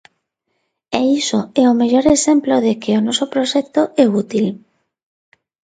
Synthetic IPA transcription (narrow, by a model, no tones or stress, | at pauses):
eisoeomeʎoɾesemploðekeonosopɾoʃekt̪oɛut̪il